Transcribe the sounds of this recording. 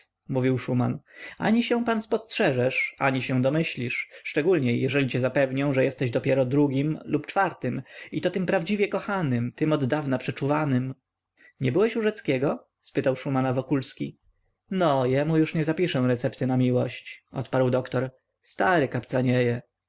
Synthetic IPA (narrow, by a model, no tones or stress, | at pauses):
muvʲiwʂumana̰ɲiɕɛw̃panspɔstʂɛʐɛʂa̰ɲiɕɛw̃d̪ɔmɘɕlʲiʂːt͡ʂɛɡulɲɛjɛʐɛlʲit͡ɕɛzapɛvɲɛw̃ʐɛjɛst̪ɛʑd̪ɔpʲjɛɾɔd̪ɾuɡʲimlupt͡ʂfaɾt̪ɘmit̪ɔt̪ɘmpɾavd͡ʑivʲjɛkɔxanɘmt̪ɘmɔd̪d̪avnapʂɛt͡ʂuvanɘm | ɲɛbɘwɛɕuʐɛt̪skʲɛɡɔ | spɘt̪awʂumanavɔkulskʲi | nɔjɛmujuʂɲɛzapʲiʂɛw̃ɾɛt̪sɛpt̪ɘnamʲiwɔɕt͡ɕʔɔ̰t̪paɾwd̪ɔkt̪ɔɾ | st̪aɾɘkapt̪saɲɛjɛ